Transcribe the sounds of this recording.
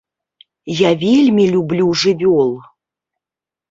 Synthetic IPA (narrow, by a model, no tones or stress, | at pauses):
javʲelʲmʲilʲublʲuʐɨvʲolˠ